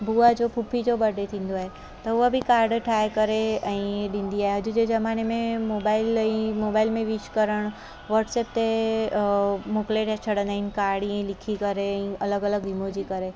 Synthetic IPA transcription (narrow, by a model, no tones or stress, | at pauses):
buːad͡ʑoːpʰupʰid͡ʑobɐɖʱet̪ʰĩːn̆d̪oaːɦe | t̪ɐʊɦabʱɪkaːɾɖʈʰaːekɐɾeɛ̃ːɗĩːnd̪iaːɦeɦɐd͡ʑʊd͡ʑezɐmaːnemẽmoːbaːɪlɛ̃moːbaːɪlmẽʋit͡ʃkɐɾəɽ̃ | ʋɐɾʈseːp̚t̪e | mokleʈat͡ɕʰɐɽə̃nd̪aːɦɪnɪ̆kaːɾɖiɛ̃lɪkʰikɐɾeɛ̃ɐləɡɐləɡɦimod͡ʑikɐɾe